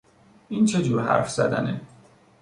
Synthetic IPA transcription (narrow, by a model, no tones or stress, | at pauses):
iːnt͡ʃʰed͡ʒuːɾɦæ̰ɾfz̥æ̰d̪æ̰ne